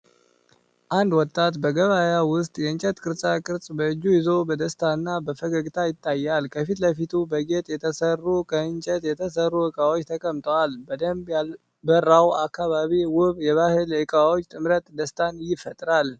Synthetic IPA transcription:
ʔand̪wɔt̪ʼːat̪bəɡəβajawʊst̪ʼjɛɨɲt͡ʃʼɛt̪kʼɨɾsʼakʼɨɾsʼbəɨd͡ʒːujɪzo̞bəd̪əst̪ʰanːabəfəɡəɡt̪ʰajɪt̪ʼːajːalkʰəfit̪ləfit̪ʰubəɡe̞t̪ʼjɛt̪ʰəsərːukʰəɨnt͡ʃʼɛt̪jɛt̪ʰəsərːuhɨkʼawot͡ʃːt̪ʰəkʼəmt̪ʼəwalbəd̪əmb | bərːawakʰːaβaβiwʊβjɛβahɨlɨkʼawot͡ʃːt̪ʼɨmɾət̪d̪əst̪ʰanjɪfət̪ʼɾal

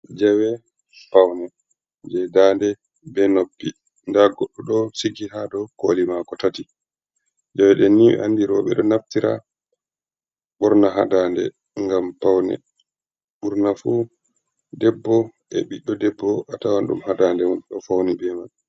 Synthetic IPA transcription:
d͡ʒɛwɛ | pawnɛ | d͡ʒɛdandɛ | bɛnobːi | ndaɡɔɗːɔɗɔsiɡiɦaɗɔkolimakɔtati | d͡ʒɛwɛɗɛniɛ̰ʔandiɾɔɓɛ̰ɗɔnaftiɾa̰ | ɓɔɾnaɦadandɛ̰ | ŋɡampawnɛ̰ | ɓuɾnafu | dɛbːɔʔɛɓiɗːɔdɛbːɔʔatawanɗṵmhadandɛwɔnɗɔfawnɛbɛman

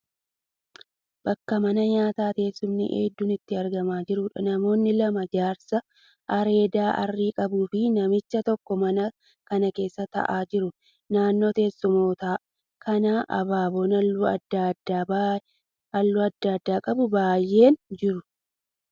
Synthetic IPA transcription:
b̥ɐkːɐmɐnɐɲaːt̪aːt̪e̞ːsːʊmnɪ̰ʔḛːd̪ːuːnɪt̪ːɪɐɾɡɐmaːd͡ʒɪɾʊᶑɐ̰nɐmo̞ːnːɪlɐmɐd͡ʒaːɾsɐ | ʔɐɾe̞ːd̪aːʔɐ̰rːiːkʼɐbuːfɪnɐmɪt͡ʃːɐt̪ɔkːɔmɐnɐ | kɐnɐke̞ːsːɐt̪ɐ̰ʔaːd͡ʒɪɾʊ | naːnːo̞ːt̪e̞ːsːʊmo̞ːt̪aː | kʰɐnaːʔɐ̰baːbo̞ːnɐd̪ada | ɐlːʊɐd̪ːakd̪ːaːkʼɐbʊbaːjːe̞ːnd͡ʒɪɾʊ

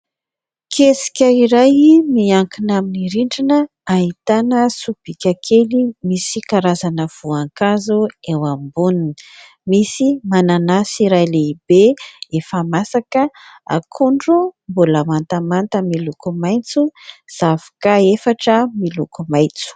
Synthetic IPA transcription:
kʰesi̥kʲəiɾajmiaŋkinaminiɾiɳɖ͡ʐinə | aɦit̪anəsub̥ikʲakʰelimisikaɾazanəv̥uaŋkazuewambunin | misimananasiɾajleib̥eefəmasakəa̰kʰuɳɖ͡ʐumbuləmant̪amant̪əmilukumajnt͡suz̥avḁkəefaʈ͡ʂəmilukumajt͡su̥

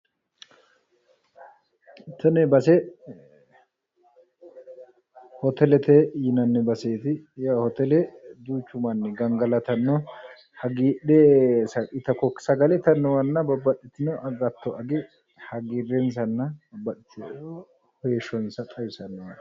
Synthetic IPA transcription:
t̪ɐnɛbɐsɛ | hɔt̪ɛlɛt̪ejɪnɐnːɛbɐseːt̪ɪjahɔt̪ɛlɛd̪uːt͡ʃːʊmɐnːɛɡɐŋɡɐlɐt̪ɐnːɔ | hɐɡiːɗesɐkɪt̪ɐkɔksɐɡɐlɛt̪ɐnːɔwɐnːɐbɐbɐɗɛt̪ːɪnɔʔɐɡɐt̪ːɔʔɐɡɪ | hɐɡirɛns̬ɐnːɐbɐɗɪt̪ | hɔjɛʃɔnsɐt̪ʼɐjɪsɐnːɔwɐn

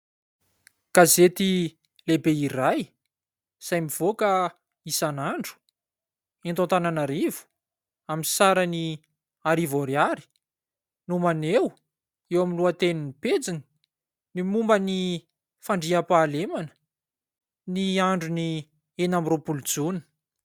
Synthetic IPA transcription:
ɡ̥azet̪i | lebeiɾaj | z̥ajmiv̥oka | isanaɳɖ͡ʐu̥ | ent̪õnt̪ananaɾivu̥ | aminsaɾəni | aɾivoɾjaɾi̥ | numanew | ewaminluat̪eniniped͡zini̥ | nimumbəni | faɳɖ͡ʐiapaːlemanə̥ | niaɳɖ͡ʐuni | enamropulud͡zunə̥

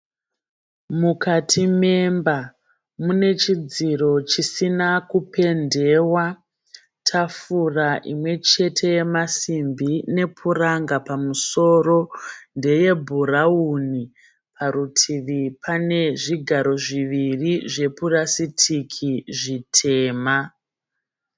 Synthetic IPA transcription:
mukatʰime̞mba | mune̞t͡ʃid͡ziɾo̞t͡ʃisinakupe̞nde̞wa | tʰafuraʔḭmwe̞t͡ʃe̞tʰe̞je̞masimbine̞pʰuraŋɡapamuso̞ro̞nde̞je̞bʱurauni | pʰaɾutʰiʋipane̞ʐiɡʱaɾo̞ʐiʋiriʐe̞purasitʰikʰiʐitʰe̞ːma

